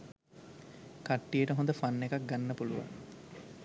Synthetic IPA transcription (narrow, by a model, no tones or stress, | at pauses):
kaʈːijəʈəɦõnd̪əfanːekak̚ɡanːəpuluʋa̰n